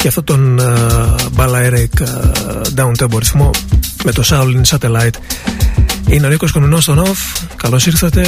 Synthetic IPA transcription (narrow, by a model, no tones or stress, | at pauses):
ceɐft̪ot̪on | bɐlɐeɾek | d̪ɐunt̪eboɾiθmo̞met̪osɐwlinsɐt̪elɐjt̪ | inolikoskonminost̪onofkɐlo̞siɾθɐt̪e̞